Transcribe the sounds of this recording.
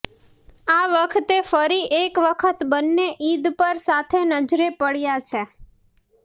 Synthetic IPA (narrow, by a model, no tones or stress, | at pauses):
aʋəkʰət̪efəɾiʔekʋəkʰət̪bənːeʔid̪pəɾsat̪ʰenəd͡ʒɾepəɭjat͡ʃʰe